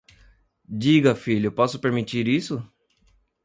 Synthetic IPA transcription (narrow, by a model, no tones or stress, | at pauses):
d͡ʒiɡɐfiʎʊpɔsʊ̥peɾmit͡ʃiɾisʊ